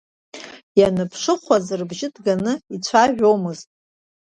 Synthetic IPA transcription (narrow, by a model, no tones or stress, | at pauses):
janɨpʰʂɨχʷazɨrbʒɪdɡanɨit͡ɕʷʰaʒᶣo̞mɨztʼ